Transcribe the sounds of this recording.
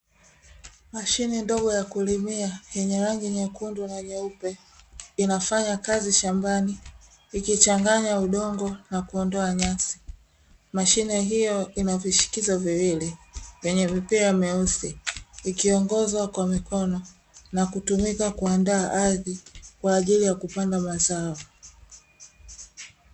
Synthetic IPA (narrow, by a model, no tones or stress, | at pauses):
maʃinɛndɔɡɔjakulimiajɛɲɛɾaŋɡiɲɛkundunaɲɛupɛ | inafaɲakaziʃambaniː | kit͡ʃaŋɡaɲauɗɔŋɡɔnakuɔndɔaɲasi̥ | maʃinɛɦijɔinaviʃi̥kizɔviwilɛvɛɲɛvipɛamɛusiikiɔŋɡɔzwakwamikʰɔnɔ | nakutumikakuandaːʔaðikwaːʄilijakupandamazaɔ